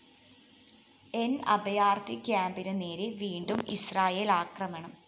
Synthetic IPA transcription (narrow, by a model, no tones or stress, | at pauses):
e̞nɐ̰bɐjaːrt̪ikʲjaːmbinɨneːɾeʋiːɳɖumḭsraːjeːlaːkrɐmɐɳɐm